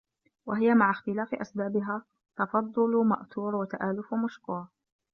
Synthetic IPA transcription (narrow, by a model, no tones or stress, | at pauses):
waɦɪjamaʕaxt̪ɪlaːfɪʔasbaːbɪɦaː | t̪ɑfɑd̪ˤːʊlma̰ʔt̪uːɾwat̪aʔaːlʊfwmʊʃkʊːɾˤ